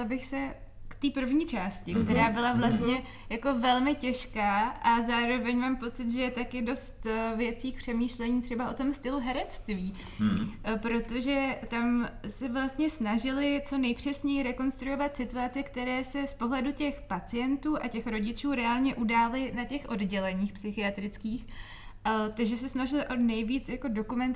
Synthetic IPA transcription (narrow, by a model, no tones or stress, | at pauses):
labɪxsɛ | kt̪iːpr̩vɲiːt͡ʃaːscɪkt̪ɛɾaːbɪlavlast̪ɲɛ | jako̞vɛlmɪcɛʃkaːʔazaːɾo̞vɛɲmaːmpo̞t͡sɪt̪ʒɛjɛt̪akɪdo̞st̪vjɛt͡siːk̚pr̝̥ɛmiːʃlɛɲiːt̪r̝̥ɛbaʔo̞t̪o̞mst̪ɪluɦɛɾɛt͡st̪viː | pɾo̞t̪o̞ʒɛt̪amsɛvlast̪ɲɛsnaʒɪlɪt͡so̞nɛjpr̝̥ɛsɲɛjɪɾɛko̞nst̪ɾujo̞vat̪sɪt̪uat͡sɪkt̪ɛɾɛːsɛspo̞ɦlɛducɛxpat͡sɪjɛnt̪uːʔacɛxɾo̞ɟɪt͡ʃuːɾɛaːlɲɛʔudaːlɪnacɛxʔo̞dɟɛlɛɲiːxpsɪxɪat̪ɾɪt͡skiːx | t̪aɡʒɛsɛsnaʒɪlɪʔo̞nɛjviːt͡sjako̞do̞kumɛnt̪